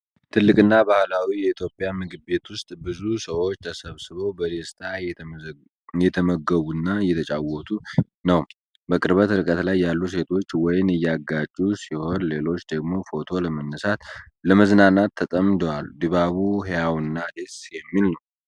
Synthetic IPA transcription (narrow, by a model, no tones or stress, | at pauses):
t̪ʰɨlːɨkʼɨnːabahlawijɛit̪ʰjo̞pʼjamɨɡɨbe̞t̪wʊst̪ʼbɨzusəwot͡ʃːt̪ʰəsəβsɨβəwbəd̪est̪ʰa | jɛt̪ʰəməɡːəβunːajɛt̪ʰət͡ʃʼawɔt̪ʰu | nəw | bəkʼɨɾbət̪ɨɾɨkʼət̪lajːalːus̬e̞t̪ʰo̞t͡ʃːwɔjɪnɨjːaɡːat͡ʃʼːusiho̞nle̞lo̞t͡ʃːd̪əɡmo̞fo̞t̪ʰo̞ləmənːəsat̪ | ləməznanat̪ʰːət̪ʼəmd̪owald̪ɨβaβuɦejawnːad̪esjɛmːilnəw